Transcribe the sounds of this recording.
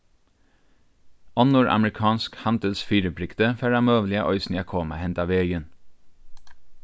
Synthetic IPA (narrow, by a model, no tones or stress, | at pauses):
ɔnʊɹʔɑ̰mɹɪkʰɑːnskhɑnd̪əlsfyːɾəpʰɾɪkt̪əfæɹɑmøːʋlɪɑʔɔʏsn̩ɪɑkʰoːmɑ̰hɛnt̪ɑːʋeːɡən